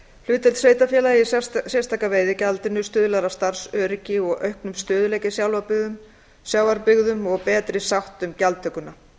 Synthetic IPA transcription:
lʏːt̪ɛlt̪sveːjt̪afjɛːlaɪsjɛst̪ʰaːkaveːjðɪcalt̪ɪnʏst̪ʏːðʏlaɾast̪aɾ̥sœːɾɪcɪɔɣʔœɥhknʏmst̪ʏːðʏlɛːjcɪsjawlaɾpʏɣðʏm | sjawvaɾpʏɣðʏmɔɣpɛːt̪ɾɪsawht̪ʏmcalt̪ʰːœkːʏna

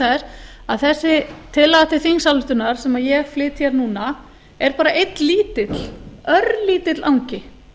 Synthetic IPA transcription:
ɛɾ | aðθɛsːɪt̪ʰɪlːaɣat̪ɪθiŋsalʏht̪ʏnaɾ̥sɛmaðjɛɣflɪːt̪çɛɾnuːna | ɛɾpaːɾaʔejt̪liːt̪ɪt̪l̥œɾliːt̪ɪt̪lʔawŋcɪ

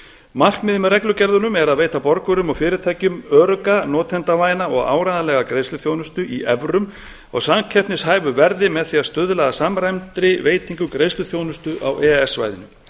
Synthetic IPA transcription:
mal̥kmɪðɪmʏrɛklʏcɛɾðʏnʏmɛɾaðveːjt̪apɔɾkʏɾʏmɔɣfɪːɾɪt̪ʰajcʏmœɾkanɔːt̪ʰɛnt̪avaːjnaɔɣa̰ːwɾajðalɛɣakɾejslʏθjoːwnʏst̪ʏʔiʔɛvɾʏm | ɔ̰ɣsamcʰɛp̪nɪshaːjvʏvɛɾðɪmɛðθiast̪ʏðlɛɣasamɾajmt̪ɾɪveːjt̪iŋkʏkɾeːjslʏθjoːwnʏst̪ʏʔa̰wʔɛɛsva̰jðɪ̰nʏ

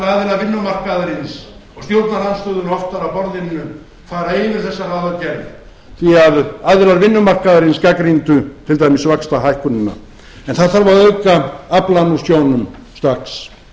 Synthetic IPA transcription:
aðɪɾaɾvɪnːʏmar̥kaðɾɪnsɔɣst̪jowɾt̪nalanst̪œːðʏnɔft̪aɾapɔɾðɪnːʏ | faːɾaejvɪɾ̥θɛsːaraːðacɛɾv | θiaðaðɪɾaɾvɪnːʏmar̥kaðɾɪnskakɾint̪ʏt̪ʰɪlt̪aːjmɪsvakst̪aɦajhkʏnʏnːa̰ | ɛnθaðθaɾvaɾœɥkaaplanusjoːwnʏmst̪aks

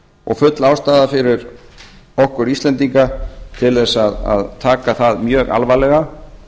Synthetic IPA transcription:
ɔ̰ɣfʏt̪laːwst̪aːðafɪɾɪɾ | ɔhkʏɾist̪lɛnt̪iŋkat̪ʰɪlðɛsaða̰ðt̪ʰaːkaθaðmjœːɣa̰lvajlɛɣa

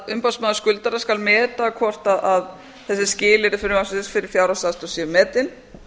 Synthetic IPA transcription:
ʏmpasmaːðʏskʏlt̪aɾaskalmɛːt̪akʰvɔr̥t̪aðað | θɛsːɪscɪːlɪɾɪfɪɾɪmasɪsfɪɾɪɾ̥fjawɾasast̪ɔsjɛmɛːt̪ɪn

